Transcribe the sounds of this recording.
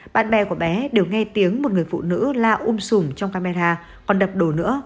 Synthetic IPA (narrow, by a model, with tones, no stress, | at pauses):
ɓa̰ː˧˨nɓɛ˧˩ku˧˩əɓɛ˨˦ɗe˨˩wŋɛ˧t̪i˨˦əŋmo˨˩t̚ŋɨ˨˩əjfṵ˧˨nɨ̰˧˥laː˧ʔu˧msʊ˨˧˩ŋ͡mt͡ɕɔ˧wŋ͡mkaː˧ma˧ɾaː˧ | kɔ˨˩nɗə˨˩p̚ɗo˨˩nɨ̰˧˥ə